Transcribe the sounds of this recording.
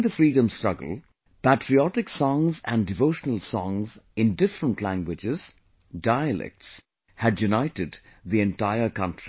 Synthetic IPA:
ðəfɾiːɖə̃mstɹ̥ʌɡə̰l̩ˠ | pæʈʰɾiɔʈɪksɔ̃ŋzæ̰̃nɖɖɪvoʊʃənəl̩ˠsɔ̃ŋzɪ̃ndɪfɾə̃nʈʰlæ̃ŋɡwɪd͡ʒɪz̥ | daɪəlɛ̰k̚ʈs | hæɖjunaɪʈɪdðiɛ̃nʈaɪəɾkʌ̃ntʰɹ̥i

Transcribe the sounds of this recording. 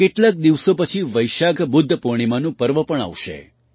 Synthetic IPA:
keʈlak̚d̪iʋsopət͡ʃʰiʋəjʃaɡʱbʊd̪ʱːəpoɽ̃imanũpəɾʋəpəɳ̃a̰ʋʃḛ

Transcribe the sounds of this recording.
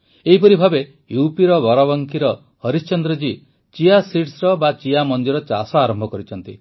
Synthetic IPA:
eɦipɔɾibʱabe | jupiɾɔbɔɾaβɔŋkiɾɔ | hɔɾist͡ʃɔnd̪ɾɔd͡ʒi | t͡ʃiasiʈsɾɔbat͡ʃiamɔnd̪iɾɔt͡ʃa̰sɔaɾɔmbʱɔkɔɾit͡ʃʰɔnt̪ḭ

